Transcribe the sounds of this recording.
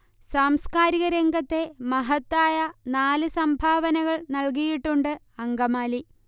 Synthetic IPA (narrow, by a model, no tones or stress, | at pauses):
saːmskaːɾiɣɐɾe̞ŋɡɐt̪ːe̞mɐɦɐt̪ːaːjɐnaːlɨsɐmbʱaːʋɐnɐɣɐɭnɐɭk̬ijiʈːuɳɖɨ | ɐŋɡɐmaːli